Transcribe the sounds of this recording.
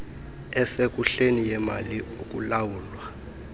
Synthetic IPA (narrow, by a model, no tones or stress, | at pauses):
ɛsek̬ʼuɬenijɛma̰liuk̬ʼulawuːlwa